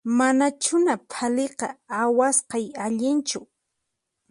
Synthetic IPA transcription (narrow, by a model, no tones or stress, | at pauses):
manat͡ʃʊnapʰaleqɑawasqɑjaʎɪnt͡ʃʊ